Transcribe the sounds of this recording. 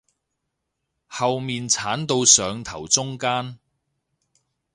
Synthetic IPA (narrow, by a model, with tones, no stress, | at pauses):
hɐ˨wmiː˨nt͡sʰaː˨˥nt̪o˧wsœː˨˧ŋt̪ʰɐ˨˩wt͡sʊ˥ŋkaː˥n